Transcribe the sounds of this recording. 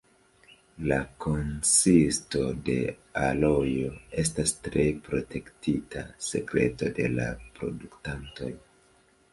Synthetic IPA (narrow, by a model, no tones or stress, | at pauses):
lako̞nsisto̞de̞̰alo̞jo̞e̞stastɾe̞pɾo̞te̞ktitʰa̰se̞kɾe̞̰to̞de̞la̰pɾo̞̰duktanto̞̰j